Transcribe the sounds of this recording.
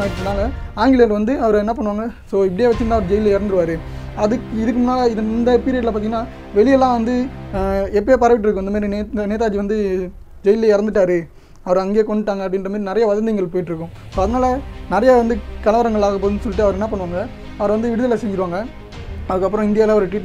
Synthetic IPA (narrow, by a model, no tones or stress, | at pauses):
aːʈːɯmnːaːlɐaːŋɡɪɭɐjɐlʋɐnd̪ɯɐʋɐɾɛnːɐp̬ɐɳːɯʋaːŋɡɐsoːɪpːɽɪjeːʋɐt͡ʃːɯɯnãːɐʋɐɾɯd͡ʒɛjɪlɐɪɾɐnd̪ɯɾɯʋaːɾɯɐðɯkɪðɯk̬ːɯmnaːlɐɪðɪnd̪ɐpiːɾɪɐɽɪlɐp̬ːaːt̪iŋːɡɐnːaː | ʋɛɭɪjɛlːãːʋɐnd̪ɯ | ɛp̬ːeːpɐɾɐʋɪʈːɪɾɯkːʊ̃ɪnd̪ɐmaːɾineneːt̪aːd͡ʒiʋɐnd̪ɯ | d͡ʒɛjɪleɪɾɐnd̪ɯʈːaːɾɯ | ɐʋɐɾɐŋɡeːkɔɳɖɯʈːaːŋɡɐpːɐɽɪnrɐmaːɾinɪɾɐjɐʋɐðɐnd̪ɪŋɡɐɭpoːjɪʈːɪɾɯkːʊ̃ | soːɐðɐnaːlɐnɪɾɐjɐʋɐnd̪ɯkɐlɐʋɐɾɐŋɡɐɭaːɣɐp̬oːðɪnːɯsɔlːɪʈːɯɐʋɐɾɛnːɐpɐɳːɯʋaːŋɡɐ | ɐʋɐɾʋɐnd̪ɯʋɪɽɯðɐlɐsɛɲd͡ʒɪɾɯʋaːŋɡɐ | ɐðɯkːɐpːɯɾɔ̃ɪnd̪ɪjaːlãɐʋɐɾɯʈiːʈ